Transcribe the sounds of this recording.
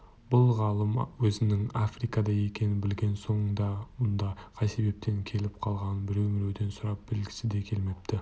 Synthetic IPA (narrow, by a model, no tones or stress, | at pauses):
b̥ʊlˠʁɑlˠəmwɵzɪnɪŋafrijkɑd̪ɑje̞kʲe̞nɪbɪlɡʲe̞nso̞ɴəɴd̪ɑmʊnd̪ɑqʰɑjse̞be̞p̚t̪ʰe̞ŋkʲʰe̞lɪpqʰɑlˠʁɑnbɪɾe̞wmɪɾe̞wd̪e̞nsʊɾɑp̚b̥ɪlɡʲɪ̥sɪd̪e̞kʲʰe̞lme̞p̚t̪ɪ